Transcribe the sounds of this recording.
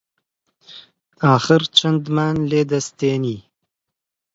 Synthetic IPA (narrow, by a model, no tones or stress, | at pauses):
aːxɪɾt͡ʃand̪maːnleːd̪ast̪eːni